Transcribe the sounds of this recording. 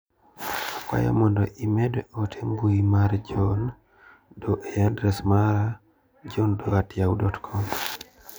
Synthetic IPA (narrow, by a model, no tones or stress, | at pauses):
akwa̰ja̰mɔndɔʔimedotʰeŋɡuimaɾd͡ʒɔn | doʔejandɾesmaɾa | d͡ʒɔndoɡatjawdɔtkʰɔm